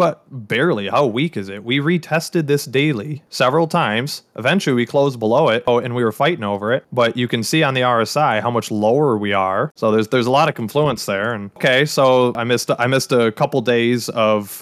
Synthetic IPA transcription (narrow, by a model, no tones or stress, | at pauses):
b̥ʌt̚b̥ɛɹlˠihaʊwikɨzɪt̚wiɹitʰɛstɨd̪̚ðɪsd̥eɪlˠisɛvɹl̩ˠtʰãɪ̃mz̥ʔɨvɛ̃nt͡ʃl̩ˠiwikʰl̥oʊzbəloʊɪt̚ʊɨ̃nwiə˞faɪɾɪ̃ŋoʊvə˞ɪt̚b̥ʌt͡ʃɨkɨ̃nsiə̃nðiɑɹɨsaɪhaʊmʌt͡ʃloʊə˞wiə˞soʊðə˞zðə˞zəlɔɾʌv̥kʰɨ̃ɱfluə̃nsðə˞ɨ̃nkʰeɪsoʊaɪmɪsta̰ɪmɪstɨkʰʌpl̩ˠdeɪzʌv̥